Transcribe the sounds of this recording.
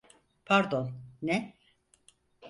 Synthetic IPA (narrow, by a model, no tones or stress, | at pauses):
pʰaɾd̪onnɛ